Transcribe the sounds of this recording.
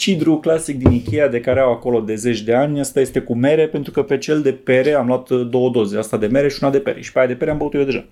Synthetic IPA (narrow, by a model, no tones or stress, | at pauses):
t͡ʃid̪ɾuklasik̚d̪inikʲejad̪e̞kaɾe̞awako̞lo̞d̪e̞ze̞t͡ʃʲd̪e̞anʲəst̪aje̞st̪e̞kume̞ɾe̞pe̞nt̪ɾukəpe̞t͡ʃe̞ld̪e̞pe̞ɾe̞amloat̪d̪o̞wəd̪o̞zeast̪ad̪e̞me̞ɾe̞ʃiunad̪e̞pe̞̰ɾe̞̰ʃi̥peajad̪epe̞ɾeambəkut̪jewd̪e̞ʒa̰